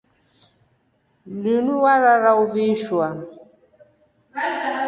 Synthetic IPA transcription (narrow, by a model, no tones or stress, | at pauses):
lunuwaɾaɾauviʃwa